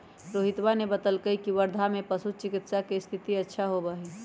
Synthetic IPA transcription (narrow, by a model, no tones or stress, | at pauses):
ɾoɦɪt̪wanebət̪əlkəikiʋəɾd̪ʱamẽpəsut͡ʃɪkɪt̪sakest̪ʰɪt̪iətːʃʰaɦobaɦi